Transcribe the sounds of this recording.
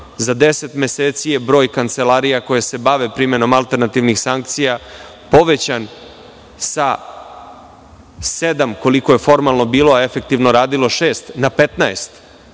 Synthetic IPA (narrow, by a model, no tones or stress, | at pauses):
zad̪e̞set̪me̞seːt̪sijebɾo̞ːjkant̪se̞laːɾijako̞jese̞baʋe̞pɾime̞no̞malˠt̪e̞ɾnat̪iʋnixsaŋkt̪sija | po̞ʋet͡ɕan | sa | se̞d̪amko̞liko̞je̞fo̞ɾmalˠno̞biːlo̞aefe̞k̚t̪iʋno̞ɾaːd̪ilo̞ʃe̞ːst̪napet̪naest̪